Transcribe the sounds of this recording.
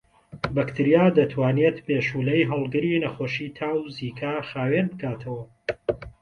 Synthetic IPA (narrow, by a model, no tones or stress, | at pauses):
bɐkt̪ʰɨɾijaːd̪ɐt̪ʰwaːnet̪beːʃuːlɐjɦɐlˠɡɨɾinɐxoːʃiːt̪ʰaːwziːkʰaxaːwenbɨɡaːt̪ʰɐwɐ